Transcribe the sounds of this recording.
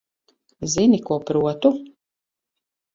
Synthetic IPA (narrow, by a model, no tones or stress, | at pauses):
zinikuɔpɾuɔt̪u